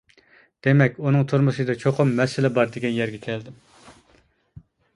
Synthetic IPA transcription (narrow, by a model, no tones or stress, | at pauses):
d̪̥emɛkʲunɨŋt̪ʰuɾmuʃɨd̪ɑt͡ʃʰoqʰʊmːɛsɪlɛbɑɾd̪eɡʲɛnjæɾɡʲɛkʲʰɛld̪ɪm